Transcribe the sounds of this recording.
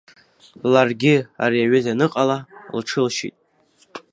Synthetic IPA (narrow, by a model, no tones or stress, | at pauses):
larɡʲɪa̰ɾiaɥɨzanɨqʼalalʈ͡ʂʰɨlʃḭtʼ